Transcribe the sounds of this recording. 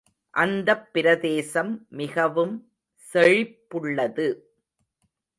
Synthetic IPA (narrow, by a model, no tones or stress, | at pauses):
ʔɐnd̪ɐpːɪɾɐðeːsɐmmɪɣɐʋɯm | sɛɻɪpːɯɭːɐðɯ